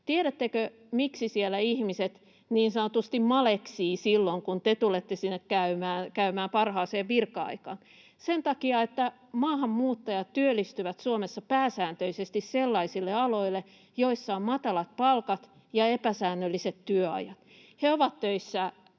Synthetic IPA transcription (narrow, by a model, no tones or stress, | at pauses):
t̪ieɾæt̪ːekø | miksisielːˑæihmiset̪ | niːnsɑnot̪ust̪immɑleksiːsilːoŋkunt̪et̪ulet̪ːesinːekkæymæːnkæymæːmpɑrhɑːseːʋʋirkːɑɑ̰ikɑ̰ːn | sent̪ɑkiɑet̪ːæ | mɑːhɑmmuːt̪ːɑjɑt̪tyølːˑist̪yʋæt̪suomesːɑpæːsæːnt̪ølisest̪isselːɑisilːeɑloilːe | joisːɑommɑt̪ɑlɑt̪̚pɑlkɑt̪ | jɑepæsæːnːølːiset̪t̪yøɑ̰jɑt̪ | heoʋɑt̪tøisːæ